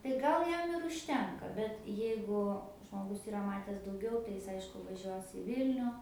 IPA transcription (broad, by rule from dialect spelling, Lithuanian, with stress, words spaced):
tɐɪ ˈɡɐlˠ ˈjɛm ɪr ʊʃʲˈtʲɛŋkɐ bʲɛt ˈjɛɪɡʊ ʒmoːˈɡʊs iːˈrɐ mɐtʲɛs dɐʊˈɡʲɛʊ tɐɪ ˈjɪs ˈɐɪʃkʊ ʋɐˈʒʲuɔs ɪ ˈʋʲɪlʲnʲʊ